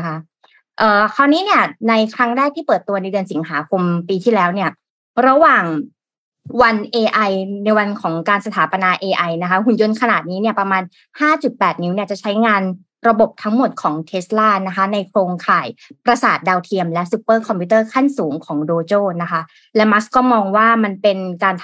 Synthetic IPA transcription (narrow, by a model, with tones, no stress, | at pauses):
kʰa˦˥ | ʔɤː˨˩kʰa˧˩niː˦˥ni˥˩ɐna˧jkʰɾa˦˥ŋdaː˥˩jt̪ʰiː˥˩pɤː˨˩t̪ːu˧ɐna˧jdɯ˧ənsi˩˦ŋɦaː˩˦kʰo˧mpiː˧t̪ʰiː˥˩lɛː˦˥wni˥˩ɐ | ɾa˧waː˨˩ŋ | wa˧nʔeː˧ʔa˧jna˧jwa˧nkʰɔː˩˦ŋkaː˧nsa˧t̪ʰaː˩˦pa˧naː˧ʔeː˧ʔa˧jna˦˥kʰa˦˥ɦu˨˩njo˧nkʰa˧naː˨˩t̪̚niː˦˥ni˥˩ɐpɾa˧maː˧n | haː˥˩t͡ɕu˨˩t̪̚pɛː˨˩t̪̚ni˦˥wni˥˩ɐt͡ɕa˨˩t͡ɕʰa˦˥jŋaː˧n | ɾa˧bo˨˩p̚t̪ʰa˦˥ŋmo˨˩t̪̚kʰɔː˩˦ŋt̪ʰeː˦˥s̚laː˥˩na˦˥kʰa˦˥na˧jkʰɾoː˧ŋkʰaː˨˩jpɾa˧saː˨˩t̪̚daː˧wt̪ʰi˧əmlɛ˦˥ʔsu˧˥pːɤː˥˩kʰɔ˧mpʰi˧˦˥t̪ɤː˥˩kʰa˥˩nsuː˩˦ŋkʰɔː˩˦ŋdoː˧t͡ɕoː˥˩na˦˥kʰa˦˥ | lɛ˦˥ma˦˥skɔː˥˩mɔː˧ŋwaː˥˩ma˧npe˧nkaː˧n